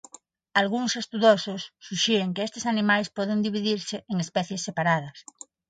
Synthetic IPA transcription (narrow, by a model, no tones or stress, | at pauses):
alɣ̞uŋsest̪uðososːuʃeɾeŋkeest̪esanĩmajspɔðend̪iβ̞iðiɾseeŋespɛθjesːepaɾað̞ɐs